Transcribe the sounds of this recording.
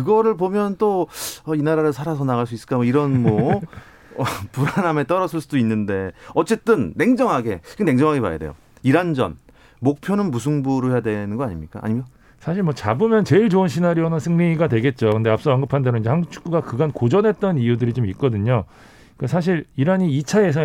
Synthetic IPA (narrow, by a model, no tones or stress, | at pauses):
kɯɡʌɾɯɭpomjʌnt͈oʌinaɾaɾɯɭsʰaɾasʰʌnaɣaɭs͈uisɯɭk͈amoiɾʌnmwʌ | ʌpuɾaname̞t͈ʌɾʌsʰɯɭs͈udoinːɯnde̞ʌt͡ɕ͈e̞t͈ɯnːe̞ŋd͡ʑʌŋɦaɡe̞̰kene̞ŋd͡ʑʌŋɦaɡe̞pa̰ja̰dejo̰ | iɾand͡ʑʌ̰n | mok̚pʰjonɯnmusʰuŋbuɾɯoɦe̞jadwe̞nɯnɡʌaɲimɲik͈a̰a̰ɲimd͡ʑo | sʰaɕ̬ʰiɭmwʌt͡ɕabɯmjʌnt͡ɕe̞iɭt͡ɕoɯnɕʰinaɾionansʰɯŋniɡadwe̞ɡe̞t̚t͡ɕ͈okɯnde̞ap̚s͈ʌʌŋɡɯpʰandeɾoinɲd͡ʑehant͡ɕʰu̥k͈uɡakɯɡankod͡ʑʌnɦe̞t̚t͈ʌnijudɯɾit͡ɕomit̚k͈ʌdɯɲo | ik͈asʰaɕ̬ʰiɾiɾaɲiːt͡ɕʰaes̬ʰʌ